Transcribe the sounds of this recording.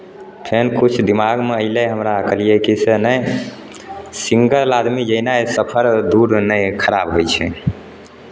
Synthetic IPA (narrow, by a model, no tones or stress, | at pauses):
p̪ʰenkut͡ʃʰd̪imaɡmeəɪleɦəmɾakəlijekisenəj | siŋɡəlad̪mid͡ʒəɦnaesəpʰəɾd̪uɾnəjkʰəɾabɦojt͡ʃʰɛ̰